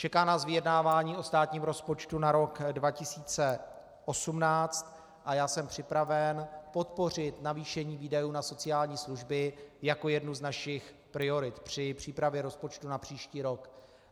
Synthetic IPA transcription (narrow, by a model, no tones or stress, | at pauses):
t͡ʃɛkaːmnaːzvɪjɛdnaːvaːɲiːʔost̪aːt̪ɲiːmɾo̞spo̞t͡ʃt̪unaɾo̞kdvacɪsiːt͡sɛ | ʔo̞sumnaːt͡st̪ | ʔajaːsɛmpr̥ɪpɾavɛnpo̞t̪po̞r̝ɪt̪naviːʃɛɲiːviːdajuːnaso̞t͡sɪjaːlɲiːsluʒbɪjako̞jɛdnuznaʃɪx | pɾɪo̞ɾɪt̪pr̝̥ɪpr̝̥iːpɾavjɛɾo̞spo̞t͡ʃt̪unapr̝̥iːʃciːɾok